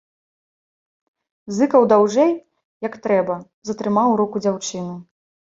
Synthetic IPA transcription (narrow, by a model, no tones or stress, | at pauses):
zɨkɐwd̪awʐɛj | jɐkt̪ɾɛbɐ | zɐt̪ɾɨmawɾɔkud͡zʲawt͡ʂɨnu